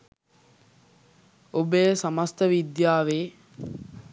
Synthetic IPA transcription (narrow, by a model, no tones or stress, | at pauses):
obəjsamast̪əʋid̪jaːʋeː